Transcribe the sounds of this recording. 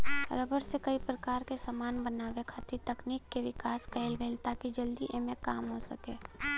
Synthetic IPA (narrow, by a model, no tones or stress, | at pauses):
ɾəbəɾsekɐipɾɐkaːɾkesamaːnbənaːʋekʰaːt̪it̪ɐkniːkːeʋɪkaːskɛɪlɡəɪlt̪aːkid͡ʒɐld̪iʔemẽkaːmɦosɐkeː